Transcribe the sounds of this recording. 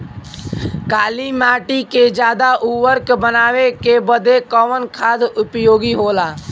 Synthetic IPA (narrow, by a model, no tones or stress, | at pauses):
kaːlimaːʈiked͡ʒjaːd̪aʔuʋəɾkbənaːʋekebəd̪ekɔmənkʰaːd̪ʊpjoːɡiɦoːlaː